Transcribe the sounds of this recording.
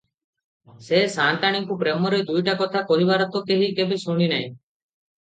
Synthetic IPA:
sesaːnʈ̪aɽ̃iŋkũpɾemɔɾɔjd̪ujʈakɔt̪ʰakɔɦibaːɾɔt̪okeɦikebesoɽ̃ina̰ɦĩ

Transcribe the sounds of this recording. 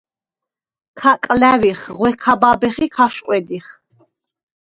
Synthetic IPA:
kʰakʼlæviχʁwɛkʰababɛχikʰaʃqʼwɛd̪iχ

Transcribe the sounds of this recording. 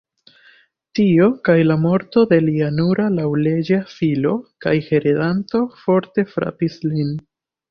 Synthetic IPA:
tio̞kajlamo̞ɾto̞de̞lianuɾalawle̞d͡ʒafilo̞ka̰jhe̞ɾedanto̞fo̞ɾte̞fɾa̰pislin

